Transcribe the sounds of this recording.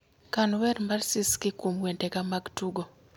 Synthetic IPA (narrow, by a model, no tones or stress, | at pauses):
kanwɛɾmarsɪskɪkumwentɛkamaɡtuɡo